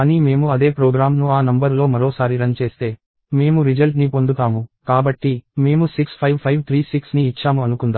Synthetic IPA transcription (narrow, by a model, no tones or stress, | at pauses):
ɐnime̞ːmuɐd̪e̞ːpɾoːɡɾaːmnuaːnɐmbɐɾlo̞ːmɐɾo̞ːsaːɾiɾɐnt͡ʃe̞ːst̪e̞ː | me̞ːmuɾid͡ʒɐlʈnipo̞nd̪ut̪aːmukaːbɐʈːime̞ːmusikspʰɐʋpʰɐjʋt̪ʰɾiːsiksniːt͡ʃːaːmuɐnukund̪a